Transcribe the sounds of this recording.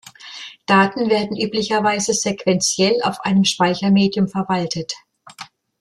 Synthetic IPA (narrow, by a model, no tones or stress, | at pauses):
d̥aːtn̩veːɐdn̩ʔyːplɪçɐvaɪzəz̥ekv̥ɛnt͡sjɛla̰ʊfʔaɪnəmʃpaɪçɐmeːdjʊmfɛɐvaltʰət